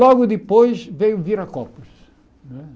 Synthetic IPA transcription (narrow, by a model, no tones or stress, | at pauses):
ɔɣʊd̪ɪpojʃvejʊviɾɐkɔpuʃ | ñɛ